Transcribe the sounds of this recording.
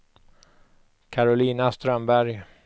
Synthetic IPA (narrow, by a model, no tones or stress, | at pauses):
kʰaɾʊliːnast̪ɾœmbæɾj